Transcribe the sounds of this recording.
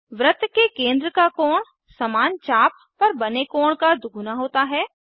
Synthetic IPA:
ʋɾət̪kekẽːnd̪ɾəkakɔːɽ̃ | sɐmaːnt͡ʃaːp | pːɐɾbɐnekɔːɽ̃kad̪ʊɡʱʊnaɦoːt̪aɦɛː

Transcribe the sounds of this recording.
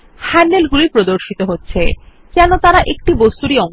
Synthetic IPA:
hɛnɖelɡulipɾod̪oɾʃit̪oɦotːɕʰe | d͡ʑɛnot̪aɾaʔek̚ʈibost̪uɾiɔ

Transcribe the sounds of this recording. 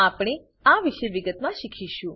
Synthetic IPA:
apɽ̃e | aʋiʃeʋiɡət̪mãʃikʰiʃũ

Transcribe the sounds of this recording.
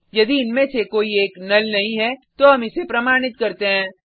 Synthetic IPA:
jɐd̪iɪnmẽsekoːieːknɐlnɐɦĩɦɛt̪oɦɐmɪsepɾɐmaːɽ̃ɪt̪̚kɐɾt̪eɦɛ̃ː

